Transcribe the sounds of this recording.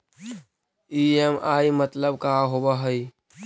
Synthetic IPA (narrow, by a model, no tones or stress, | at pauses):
iemaːimət̪ləbkaɦobaɦəi